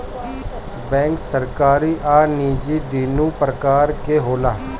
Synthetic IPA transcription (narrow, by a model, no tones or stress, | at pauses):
bɛ̃ːŋksəɾkaːɾiːʔaːniːd͡ʒiːd̪iːnũːpɾəkaːɾkeːɦoːlaː